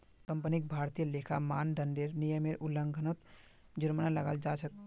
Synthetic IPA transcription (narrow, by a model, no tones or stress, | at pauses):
kəmpənik̚bʱaɾt̪ijəlekʰamanɖəɳɖeɾnijəmeɾʔuləŋɡʱənət̪ | d͡ʒuɾmənaləɡald͡ʒat͡ʃʰək̚